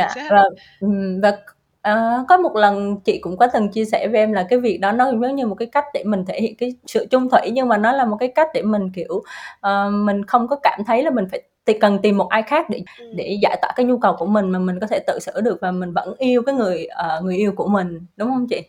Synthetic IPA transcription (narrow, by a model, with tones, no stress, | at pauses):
ɲa̰ː˧vaː˨˩˨ | vaː˨˩ | ʔəː˨˩kɔ˨˦mo˨˩t̚lə˨˩nt͡ɕḭ˧˨kʊ̰˧˥ŋ͡mkɔ˨˦t̪ɨ˨˩nt͡ɕi˧əsɛ˧˩ve˨˩ʔɛ˧mlaː˨˩kaː˨˦jvi˨˩ək̚ɗɔ˨˦nɔ˨˦zə˨˦wŋ͡mɲɨ˧mo˨˩kaː˨˦jka˦˥jk̟̚ɗe˧˩mï˨˩ŋ̟t̪ʰe˧˩hḭ˧˨ənkaː˨˦jsɨ̰˧˨t͡ɕʊ˧ŋ͡mt̪ʰwi˧˩jɲɨ˧ŋmaː˨˩nɔ˨˦laː˨˩mo˨˩t̚kaː˨˦jka˦˥jk̟̚ɗe˧˩mï˨˩ŋ̟ki˧˩əwʔəː˨˩mï˨˩ŋ̟xə˧wŋ͡mkɔ˨˦kaː˧˩mt̪ʰə˨˦jlaː˨˩mi˨˩ŋ̟faː˧˩jt̪kə˨˩nt̪i˨˩mːo˨˩t̚ʔaː˧jxaː˦˥k̚ɗe˧˩ɗe˧˩zaː˧˩jt̪waː˧˩kaː˨˦jɲu˧kə˨˩wku˧˩əmï˨˩ŋ̟maː˨˩mi˨˩ŋ̟kɔ˨˦t̪ʰɛ˧˩t̪ɨ̰˧˨sɨ̰˧˥˨ɗɨ˨˩ək̚vaː˨˩mï˨˩ŋ̟və̰˧˥nʔi˧əwkaː˨˦jŋɨ˨˩əjʔəː˨˩ŋɨ˨˩əjʔi˧əwku˧˩əmï˨˩ŋ̟ɗʊ˨˦ŋ͡mhə˧wŋ͡mt͡ɕḭ˧˨